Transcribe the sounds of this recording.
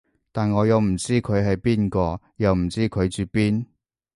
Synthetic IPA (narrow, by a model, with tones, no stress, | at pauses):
t̪aː˨nŋɔː˨˧jɐ˨˧wm̩˨˩t͡siː˥kʰɵ˨˧ɥɦɐ˨jpiː˥nkɔː˧ | jɐ˨˧wm̩˨˩t͡siː˥kʰɵ˨˧ɥt͡syː˨˧piː˥n